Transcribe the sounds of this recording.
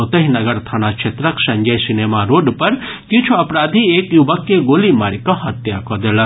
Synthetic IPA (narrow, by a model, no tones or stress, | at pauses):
ot̪əɦinɐɡəɾt̪ʰañat͡ʃʰet̪ɾəksɐɲd͡ʒəjsinemaɾoɖpəɾ | k̪jĩt͡ʃʰuɐpɾad̪ʱiekjuʋəkːeɡolimaɾikɔɦɐt̪jakɔd̪ela